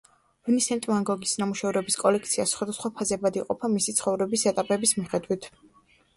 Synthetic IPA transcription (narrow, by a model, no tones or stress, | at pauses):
unisɛnt̪ʼmaŋɡɔɡisnamuʃɛvɾɛbiskʼɔlɛkʰt̪sʰiasχwad̪asχwapʰazɛbad̪ḭqʼɔ̰pʰamisit̪sʰχɔvɾɛbisɛt̪ʼapʼɛbismiχɛd̪wit̪ʰ